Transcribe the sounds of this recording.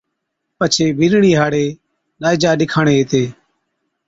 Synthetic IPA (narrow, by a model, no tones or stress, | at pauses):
pət͡ʃʰeːbʱiɾɳiːɦaːɽeː | ɗaːɪd͡ʒaːɗɪkʰaːɳeːɦeːt̪eː